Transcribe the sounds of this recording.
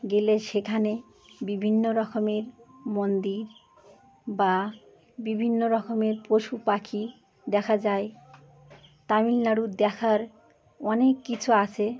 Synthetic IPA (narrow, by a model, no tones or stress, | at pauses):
ɡeleʃekʰane | bibʱinːoɾɔkomeɾmond̪iɾ | ba | bibʱinːoɾɔkʰomeɾpɾoʃupakʰi | d̪ɛkʰad͡ʑae | t̪amilnaɽud̪ɛkʰaɾ | ɔnekːit͡ɕʰuat͡ɕʰe